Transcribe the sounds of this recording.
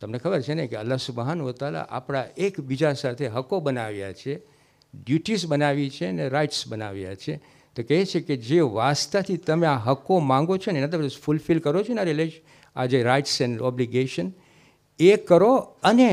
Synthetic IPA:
t̪əmnekʰəbəɾt͡ʃʰenekeə̰lːasubəɦanʋət̪ala̰ʔa̰pɽ̃aekbid͡ʒasat̪ʰeɦəkobənaʋja̰t͡ʃʰe | ɖjuʈisbənaʋit͡ʃʰeəneɾajʈsbəna̰ʋja̰t͡ʃʰe | t̪okəɦet͡ʃʰeked͡ʒeʋast̪at̪ʰit̪əmeaɦəkomãŋɡot͡ʃʰonenad̪əɾɾfulfilkəɾot͡ʃʰenaɾileʃ | a̰d͡ʒeɾaiʈsɛnɔbliɡeʃən | ekəɾoəne

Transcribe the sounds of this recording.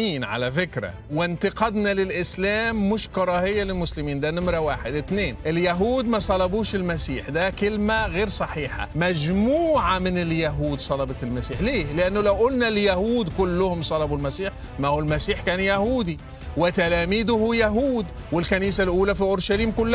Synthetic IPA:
iːnʕa̰lafɪkɾa̰ | wɪnt̪ɪqɑd̪nalɪlʔɪslaːmːʊʃkɑɾˤɑhɪjːalɪlmʊslɪmiːnd̪anɪmɾawaːħɪd̪ʔɪt̪neːnʔɪljaɦuːd̪mæsˤɑlɑbuːʃɪlmasiːħd̪akɪlmaɣeːɾsˤɑħiːħa̰mad͡ʒmuːʕamɪnɪljaɦuːd̪sˤɑlɑbɑt̪ɪlmasiːħleːlɪʔanːʊlawʔʊlnaljahuːd̪kʊlːʊhʊmsˤɑlɑbulmasiːħ | mahulmasiːħkæːnjahuːd̪i | wɪt̪alaːmiːd̪ʊhujaɦuːd̪ | wɪlkaniːsalʔuːlafiʔʊɾʃaliːmkʊlː

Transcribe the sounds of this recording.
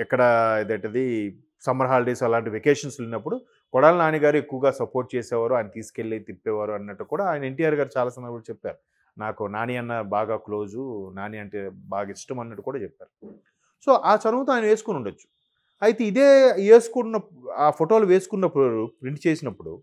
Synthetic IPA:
ɛkːɐɽɐd̪ejʈɐd̪i | sɐmɐɾɦaːlɖesɐlaːɳʈiʋekeːʂɐnslinːɐpːuɽu | kɔɽaːlinaːniɡaːɾue̞kːuʋɐɡaːsɐpoːɾʈ̚t͡ʃeːsɛːʋaːɾuaːjɐnɐt̪iːsu̥keɭːit̪ipːɛːʋaːɾuɐnːɐʈːukuːɽaːaːjnɐe̞ɳʈijaːɾɡaːɾut͡ʃaːlaːsɐmɐɾbult͡ʃɛpːa̰ːɾu | naːkunaːniɐnːɐbaːɡaːklo̞ːd͡ʒunaːniɐɳʈebaːɡiʂʈɐmɐnːɐʈːukuːɽaːt͡ʃɛpːaːɾu | so̞ːʔaːt͡ʃɐɾɐmɐt̪oaːjnɐʋe̞ːsu̥kunuɳɖɐt͡ʃːu̥ | ɐjt̪eid̪eːeːsu̥kunːɐ | aːpʰoʈo̞ːluʋe̞ːsu̥kunːɐpːuɾupɾiɳʈt͡ʃeːsinɐpːuɽu

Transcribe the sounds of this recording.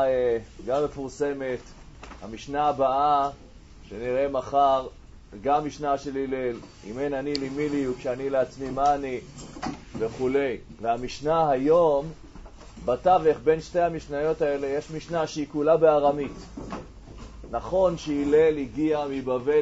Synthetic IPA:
eɡamːe̞fuʁse̞me̞t | ha̰miʃnaːbaa | ʃeniʁe̞maχaʁ | ɡamːiʃnaʃe̞lile̞l | ḭmenanilimiliukʃeanileat͡smimani | veχule̞jveamiʃnaɦajo̞m | bataveχbenʃte̞hamiʃnajo̞tae̞le̞jeʃmiʃnaʃeikulabeaʁamit̪ | naχo̞nʃeile̞liɡiamibave

